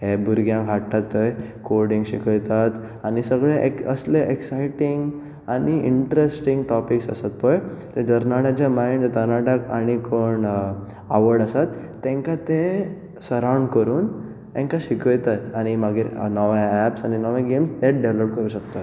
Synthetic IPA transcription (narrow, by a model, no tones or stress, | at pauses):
ɦebuɾɡjãɦaʈːat̪əjkoɾɽiŋɡɕikəjt̪at̪ | añisəɡɭeʔekəsleʔeksajʈiŋɡ | aɽiiɳʈɾesʈiŋɡʈɔpiksə̰sat̪̚pɔjt̪ed̪əɾnaɽat͡ɕjamaind͡ʑt̪əɾnaʈaka̰ɽ̃ikʰoɳ | aʋəɾɖəsat̪ː | ẽŋkat̪e | səɾawɳɖkəɾuːn | ẽŋkaɕikəjt̪at̪aɽ̃imaɡiɾnɔʋaæpsaɽ̃inɔʋãɡemst̪eʈ̚ɖeʋləp̚kəɾuːɕək̚t̪at̪